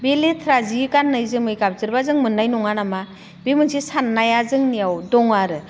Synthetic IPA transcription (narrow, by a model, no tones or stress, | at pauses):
beletʰɾazikanːɯjzɯmɯjkap̚zɯɾbazɯŋmɯnːajnɔŋanama | bemɯnsisanːajazɯŋnijawdɔŋaɾɯ